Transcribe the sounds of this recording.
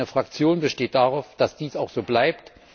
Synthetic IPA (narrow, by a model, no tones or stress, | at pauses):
nəfʁ̥ak̚t͡sjoːnbəʃteːt̚d̥aʁaʊfd̥asd̥iːsaʊxz̥oːblaɪpt